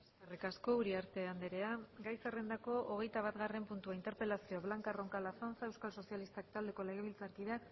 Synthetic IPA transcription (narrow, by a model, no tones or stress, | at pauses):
eskerikasko̞uɾiaɾt̪e̞and̪eɾe̞aɡajsare̞nd̪ako̞ʔoɣ̞e̞jt̪aβ̞at̪ɣare̞mpunt̪uaint̪e̞ɾpe̞lasioaβlaŋkaro̞ŋkalasanfae̞wskalso̞sijalist̪akt̪ald̪e̞ko̞le̞ɣ̞e̞βilt͡saɾkiðeak